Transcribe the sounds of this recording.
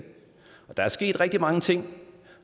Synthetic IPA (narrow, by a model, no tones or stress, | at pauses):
ɒ̽d̥ɑ̈æɐsɡ̥e̝̰ːd̥ʁɛɡ̥̚d̥imɑ̈ŋət͡sʰe̝ŋ̰